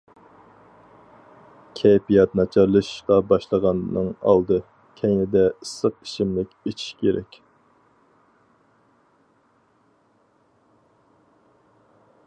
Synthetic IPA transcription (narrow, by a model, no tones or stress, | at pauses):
kʲʰɛjpijɑt̪nɑt͡ʃʰɑɾlˠɨʃqɑbɑʃlˠəʁɑnnɨŋɑ̰lˠd̪ɨ | kʲʰɛjnɪd̪ɛɨsəqi̥ʃimlɪkʲet͡ʃʰi̥ʃkʲʰeɾɛkʲ